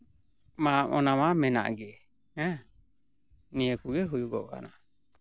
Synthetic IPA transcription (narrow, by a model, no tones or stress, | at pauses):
maʔɔnamamɛna̰ʔɡɛ | ɛ | niɛkuɡɛɦujuɡɔɡa̰na